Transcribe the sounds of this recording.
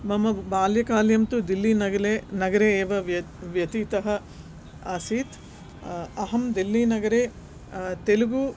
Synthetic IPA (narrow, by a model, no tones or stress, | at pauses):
mɐmɐbaːljɐkaːljɐmt̪ud̪ilːinɐɡɐlenɐɡɐɾeːʋɐʋ | ʋjɐt̪iːt̪ɐɦɐ | ɐsiːt̪ | ɐɦɐmd̪ilːinɐɡɐɾeː | t̪eluɡu